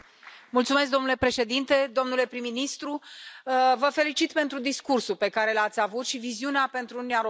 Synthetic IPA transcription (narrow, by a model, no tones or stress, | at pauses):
mult̪sumes̬kd̪o̞mnule̞pɾe̞ʃe̞d̪int̪e̞d̪o̞mnule̞pɾimːinist̪ɾu | vəfe̞lit͡ʃit̪pe̞nt̪ɾud̪iskursulpe̞kaɾe̞lat̪sʲavut̪ʃiviziuneape̞nt̪ɾunniaɾo